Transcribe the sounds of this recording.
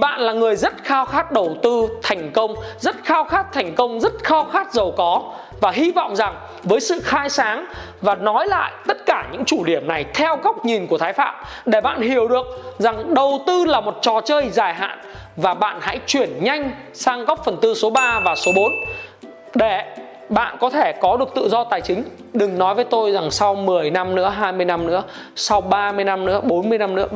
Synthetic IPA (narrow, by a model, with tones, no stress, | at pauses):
ɓa̰ː˧˨nlaː˨˩ŋɨ˨˩əjzə˦˥t̚xaː˧wxaː˦˥t̚ɗə˨˩wt̪ɨ˧t̪ʰa˨˩jŋ̟kə˧wŋ͡mzə˦˥t̚xaː˧wxaː˦˥t̚t̪ʰɛ˨˩jŋ̟kə˧wŋ͡mzə˦˥t̚xaː˧wxaː˦˥t̚zə˨˩wkɔ˨˦ | vaː˨˩ɦi˧vɔ̰˧˨wŋ͡mza˨˩ŋ | vəː˨˦jsɨ̰˧˨xaː˧jsaː˨˦ŋ | vaː˨˩nɔ˨˦jla̰ː˧˨jt̪ə˦˥t̚kaː˧˩ɲɨ̰˧˥ŋt͡ɕu˧˩ɗi˧˩əmna˨˩jt̪ʰɛ˧wɣa˦˥wk͡p̚ɲi˨˩nku˧˩ət̪ʰːjfa̰ː˧˨m | ɗe˧˩ɓa̰ː˧˨nhi˧˩əwɗɨ˨˩ək̚za˨˩ŋɗə˨˩wt̪ɨ˧laː˨˩mo˨˩t̚t͡ɕɔ˨˩t͡ɕəː˧jzaː˧˩jɦa̰ː˧˨n | vaː˨˩ɓa̰ː˧˨nha̰˧˥jt͡ɕwi˧˩ənɲa˧jŋ̟ | saː˧ŋɣa˦˥wk͡p̚fə˨˩nt̪ɨ˧so˨˦ɓaː˧vaː˨˩so˨˦ɓo˨˦n | ɗe˧˩ | ɓa̰ː˧˨nkɔ˨˦t̪ʰe˧˩kɔ˨˦ɗɨ˨˩ək̚t̪ɨ̰˧˨zɔ˧t̪aː˨˩jt͡ɕï˨˦ŋ̟ | ɗɨ˨˩ŋnɔ˨˦jvə˨˦jt̪o˧jza˨˩ŋsa˧wmɨ˨˩əjna˧mnɨ̰˧˥əɦaː˧jmɨ˧əjna˧mnɨ̰˧˥ə | sa˧wɓaː˧mɨ˧əjna˧mnɨ̰˧˥əɓo˨˦nmɨ˧əjna˧mnɨ̰˧˥ə